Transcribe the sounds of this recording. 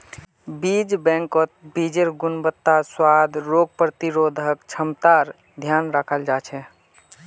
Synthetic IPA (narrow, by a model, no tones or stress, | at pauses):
bid͡ʒbɛ̃ŋkət̪̚bid͡ʒeɾɡunbət̪ːaswad̪ɾoɡ̚pɾət̪iɾod̪ʱəkt͡ʃʰəmt̪aɾ | d̪ʱjanɾakʰəld͡ʒat͡ʃʰɛ